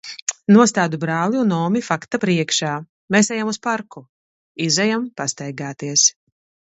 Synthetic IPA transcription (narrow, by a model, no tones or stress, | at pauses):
nuɔst̪aːd̪ubɾaːlˠiunɔːmifakt̪apɾiɛkʃaː | meːsɛjamuspaɾku | izɛjampast̪ɛjɡaːt̪iɛs